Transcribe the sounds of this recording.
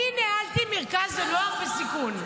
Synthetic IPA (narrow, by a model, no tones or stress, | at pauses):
inehalt̪imeʁkazanoaχbesikun